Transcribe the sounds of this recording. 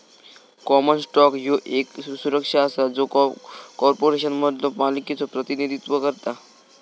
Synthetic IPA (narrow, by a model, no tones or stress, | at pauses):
kɔmənsʈɔkjoʔeksuɾəkʂaəsad͡zokɔɾpoɾeʃ̬ənməd̪lopaliket͡sopɾət̪inid̪ʱit̪ʋəkəɾt̪a